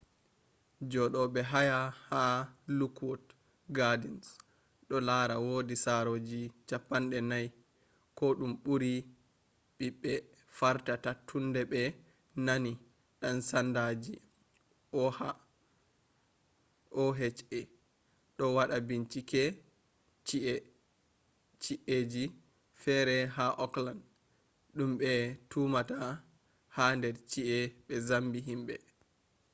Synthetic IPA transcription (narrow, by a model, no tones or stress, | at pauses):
d͡ʒɔɗɔɓɛɦajahalukwɔt | ɡadins | ɗɔlaːɾawoːdisaɾod͡ʒit͡ʃapːanɗɛnaj | kɔɗumɓuɾi | ɓiɓːɛ | faɾtatatʰːundɛɓɛ | nani | ɗansandad͡ʒi | ʔɔha | ʔɔɦet͡ʃɛ | ɗɔwaɗabiɲt͡ʃikɛ | t͡ʃiʔɛ | t͡ʃiʔeːd͡ʒi | fɛɾɛɦaʔɔkland | ɗumɓɛtumata | handɛɾt͡ʃiʔɛɓɛzambiɦimɓɛ̰